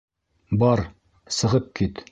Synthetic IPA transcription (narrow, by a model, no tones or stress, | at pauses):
bɑɾ | sɤ̆ʁɤp̚kit̪